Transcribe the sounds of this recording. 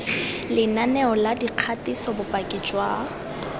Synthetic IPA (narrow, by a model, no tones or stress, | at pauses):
lɪnanɛɔladiq͡χʰatisɔbʊpʼakʼɪt͡ʃʼwa